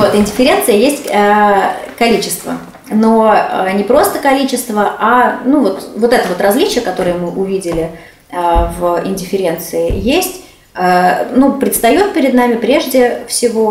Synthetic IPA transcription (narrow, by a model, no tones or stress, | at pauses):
vot̪ɪnʲdʲɪfʲɪɾʲe̞nt̪sɨjəjesʲtʲəkɐlʲit͡ɕɪst̪və̰ | no̞ənʲɪpɾo̞st̪əkɐlʲit͡ɕɪst̪vəanuvo̞t̪vo̞t̪ɛt̪əvo̞t̪rɐzlʲit͡ɕɪjəkɐt̪o̞ɾɨjəmɨʔʊvʲidʲɪlʲɪ | vɪnʲdʲɪfʲɪɾʲe̞nt̪sɨɪjesʲtʲ | ənupɾʲɪt̪st̪ɐjo̞t̪̚pʲɪɾʲɪd̪namʲɪpɾʲe̞ʐdʲɪfsʲɪvo̞